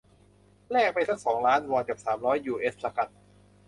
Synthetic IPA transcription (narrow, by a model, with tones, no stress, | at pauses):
lɛː˥˩k̚pa˧jsʰa˦˥k̚sɔː˩˦ŋɾaː˦˥nwɔː˧nka˨˩p̚saː˩˦mɾɔː˦˥jːuː˧˩ʔe˦˥ssa˧ka˨˩t̪̚